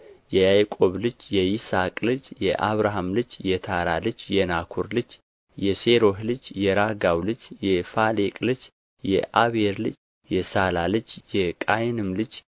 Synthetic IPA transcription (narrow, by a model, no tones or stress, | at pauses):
jɛjajkʼo̞βlɨd͡ʒjɛjisakʼlɨd͡ʒjɛʔaβɾaɦamlɨd͡ʒjɛt̪ʰaɾalɨd͡ʒjɛnakʰuɾlɨd͡ʒ | jɛseɾo̞ɦlɨd͡ʒjɛɾaɡawlɨd͡ʒjɛfalekʼlɨd͡ʒ | jɛ̰ʔaβeɾlɨd͡ʒ | jɛsalalɨd͡ʒjɛkʼajnɨmlɨd͡ʒ